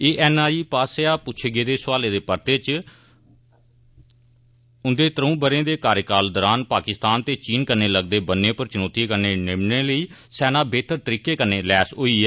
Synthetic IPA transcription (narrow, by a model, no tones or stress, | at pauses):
eːʔɛːnaːiːpaːseaːpʊt͡ʃʰʃʰeɡeːd̪eːsʊʋaːleːd̪eːpəɾt̪eːt͡ʃ | ʊnd̪eːt̪əɾũːbəɾẽːd̪eːkaːɾjəkaːld̪ɔːɾaːnpaːkɪst̪aːnt̪eːt͡ʃiːnkəɾneːləɡd̪eːbənːẽːpəɾt͡ʃʊnoːt̪iːkəɾneːnɪmneːləiːsɛːnãːbeːt̪əɾt̪əɾiːkeːkəɾneːlɛːsɦoːiːɛː